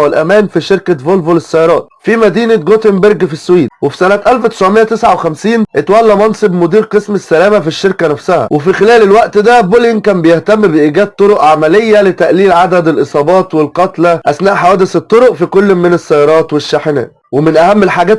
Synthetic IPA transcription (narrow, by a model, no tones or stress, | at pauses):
welʔæmæːnfiʃeɾkævolvolesːæjɑɾˤɑːt̪̚fimæd̪iːnæɡot̪embeɾɡfisːwiːd̪̚wefi̥sænæt̪ʔælfwt̪e̥sʕmejːæt̪esʕawexæmsiːnʔet̪wælːæmɑnsˤebmʊd̪iːɾqesmesːælæːmæfiʃːeɾkænæfsæhæ̰wefixɪlæːlelwæʔt̪d̪æboliŋkæːmbejeht̪æmːbeʔiːɡæːd̪̚t̪ˤːoɾoʔʕamælejːælet̪æʔliːlʕad̪æd̪elʔesˤɑːbɑːt̪welqɑt̪læʔæsnæːʔħawæːd̪eset̪ˤːoɾoʔfikolːmːɪnesːæjɑɾˤɑːt̪weʃːaħenæ̰ː | wemɪnʔæhæmːelħaːɡæːt̪